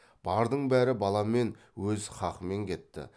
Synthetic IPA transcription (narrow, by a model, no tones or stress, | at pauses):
b̥ɑɾd̪əɴbæɾɪbɑlˠɑme̞n | wɵzχɑqəme̞ŋkʲʰe̞t̪ːɪ̰